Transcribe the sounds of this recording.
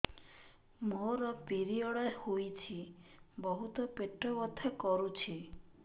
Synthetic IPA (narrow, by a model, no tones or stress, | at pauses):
moɾɔpiɾiɔɽɔehojt͡ʃʰibɔɦut̪ɔpeʈɾɔbɔt̪ʰakɔɾut͡ʃʰi